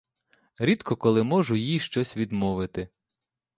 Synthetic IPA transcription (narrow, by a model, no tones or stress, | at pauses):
ɾʲid̪kɔkɔlˠɪmɔʒʊjijʃt͡ʃɔsʲʋʲid̪mɔʋɪt̪ɪ